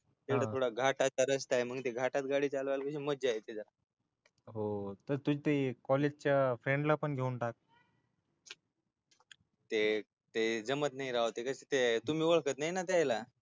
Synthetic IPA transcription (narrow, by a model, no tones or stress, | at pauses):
t̪ekɽət̪ʰoɽaɡʱaʈat͡ɕaɾəst̪aɦeməɡt̪eɡʱaʈat̪̚ɡaɽiːt͡salʋalkəɕiməd͡ʑeaet̪ed͡zəɾa | ɦot̪əɾt̪ud͡ʑt̪ekɔled͡ʑt͡ɕafɾẽɳɖlapəɳɡʱeunʈak̚ | t̪e | t̪ed͡zəmət̪̚naɦiɾaɦot̪ekəset̪et̪um̤iːʋəɭkət̪naɦjnat̪eajla